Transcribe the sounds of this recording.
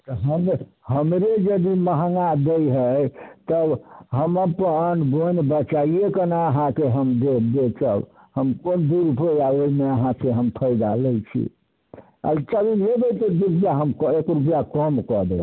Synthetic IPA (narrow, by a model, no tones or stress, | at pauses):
t̪ɔɦəm | ɦəmɾed͡ʒəd̪iməɦəŋɡad̪ejɦəjt̪əbɦəməpəənbonbət͡ʃaiekənaəɦãkeɦəmd̪ekʰb̪et͡ʃə̰b | həmkond̪uɾupjaoimeəɦãseɦəmpʰəɪd̪alɛjt͡ʃʰḭ | a̰lt͡ʃəbilebəjt̪əd̪uɾupjaɦəmkɔekɾup̬jakɔmkɔd̪ḛ